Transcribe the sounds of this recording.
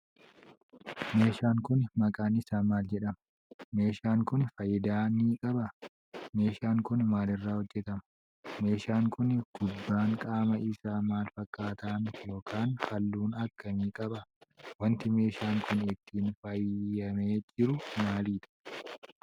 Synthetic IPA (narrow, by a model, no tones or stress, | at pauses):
me̞ːʃaːŋkʊnmɐkʼaːnɪsaːnmaːld͡ʒɛᶑɐmɐ | me̞ːʃaːŋkʊnfɐjɪd̪aːniːkʼɐbɐ | me̞ːʃaːŋkʊnmaːlɪrːaːhɔd͡ʒːɛt̪ɐmɐ̥ | me̞ːʃaːŋkʊnɡ̥ʊbːaːŋkʼaːmɐʔɪsaːmaːlfɐkʼːaːt̪aːnjo̞ːkʰaːnfɐlːuːnɐkːɐniːkʼɐbɐwɐnt̪ɪme̞ːʃaːŋkʊnɪt̪ʰːiːnfɐjːɐme̞ːd͡ʒɪɾʊmaːliːt̪ɐ̥